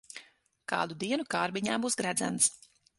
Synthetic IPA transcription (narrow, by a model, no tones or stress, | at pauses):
ka̰ːd̪ud̪iɛnukaːɾbiɲaːbuːsɡɾæd̪zæ̰nt̪s